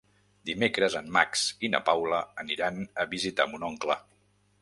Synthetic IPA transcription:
d̪imekɾəzəmːaksinə̰pawləːniɾanəβizit̪a̰munɔŋklə

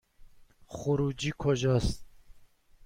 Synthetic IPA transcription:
χuɾud͡ʒiːkʰɔʒɑst̪̚

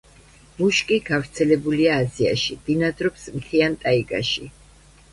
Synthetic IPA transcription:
muʃkʼiɡ̥avɾt̪sʰɛlɛbuliaːzia̰ʃid̪̥inad̪ɾɔpsmt̪ʰiant̪ʼaiɡa̰ʃi

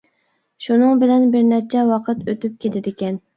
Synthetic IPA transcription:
ʃunɨŋbɪlɛnbɪɾnæt͡ʃʰɛwɑqʰət̪øt̪yp̚kʲʰet̪ʰɪd̪ɪkʲɛn

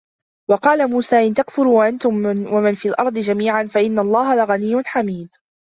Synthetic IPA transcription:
wɑqɑːlamuːsaːʔɪnt̪akfʊɾuːʔant̪ʊmwamɪnfiːlʔɑ̰ɾˤd̪ˤɨd͡ʒamiːʕanfaʔɪnːalˤːɑːɦalaɣanijːʊnħamiːd̪

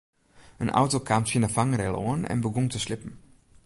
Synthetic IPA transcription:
ʔənʔa̰ʊtokʰaːmt͡siːnəfaŋɾɛlo̰nɛ̰nbəɡʊnt͡suʃlɪpm̩

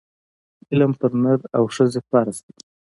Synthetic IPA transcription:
ɪləmpəɾnəɾawʂəzepɑɾast̪a

